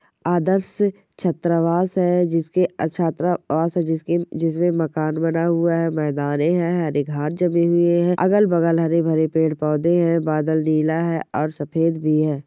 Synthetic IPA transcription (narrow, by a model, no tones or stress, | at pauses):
aːd̪əɾs | t͡ʃʰɐt̪ɾəʋaːsɦɛd͡ʒɪsket͡ʃʰaːt̪ɾaʋaːsɦɛd͡ʒɪsked͡ʒɪsmẽmɐkaːnbɐnaɦʊaɦɛmɛːd̪aːneɦɛ̃ɦɛɾeɡʱaːʈ̚d͡ʒɐmeɦʊeɦɛ̃ʔɐ̰ɡəlbɐɡəlɦɐɾebʱɐɾepeːɽpɔːd̪eɦɛ̃baːd̪əlniːlaɦɛʔɔːɾsɐpʰeːd̪bʱiɦɛː